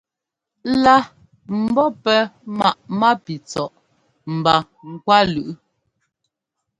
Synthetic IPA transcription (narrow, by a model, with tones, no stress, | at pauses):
la˦ | m̩˨bɔ˦pɛ˦ma˦˨ʔma˦pi˨t͡sɔ˨ʔ | m̩˨ba˨ | ŋ̩˨kwa˦lʉ˨ʔ